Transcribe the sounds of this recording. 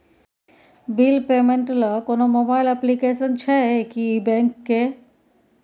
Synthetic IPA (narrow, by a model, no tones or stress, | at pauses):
bilpemẽɳʈləkonomobaːɪlɛplikesənt͡ʃʰɛekibɛ̃ŋkːe